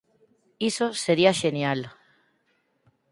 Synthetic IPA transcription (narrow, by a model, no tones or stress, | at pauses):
isoseɾiaʃenjal